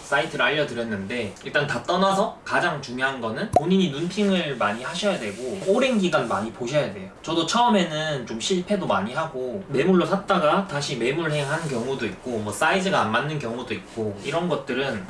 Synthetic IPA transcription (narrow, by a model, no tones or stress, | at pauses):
s͈aitʰɯɾaʎːʌdɯɾjʌnːɯnde̞iɭt͈antat͈ʌnasʰʌkad͡ʑaŋt͡ɕuŋjoɦanɡʌnɯnpoɲiɲinunpʰiŋɯɭmaɲihaɕʰʌjadwe̞ɡooɾenɡiɡanmaɲipoɕʰʌjadwe̞̰jot͡ɕʌdot͡ɕʰʌɯme̞nɯnt͡ɕomɕʰiɭpʰe̞domaɲiɦaɡome̞muɭːosʰat͈aɡataɕʰime̞muɾɯɭɦejaɦanɯnk̬jʌŋudoit̚k͈omwʌs͈aid͡ʑɯɡaːnmanːɯnkjʌŋudoit̚k͈oiɾʌnɡʌt̚t͈ɯɾɯn